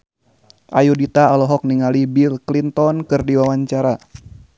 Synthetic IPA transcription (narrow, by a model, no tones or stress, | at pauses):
ʔajudit̪aːlɔɦɔk̚niŋalibilklint̪ɔnkɨrdiwawaɲt͡ʃaɾa